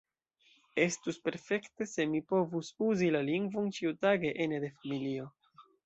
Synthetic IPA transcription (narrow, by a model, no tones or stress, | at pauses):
e̞stuspe̞ɾfe̞kte̞se̞mipo̞vusuzilaliŋɡvont͡ʃiutaɡe̞ʔened̪e̞familio